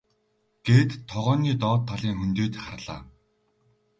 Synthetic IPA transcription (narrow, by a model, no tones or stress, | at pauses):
ɡ̥eːt̪ʰːɔʁɔːniːt̪ɔːt̪ʰːaɮiːŋxɵnt̪eːt̪χarɮa̰ː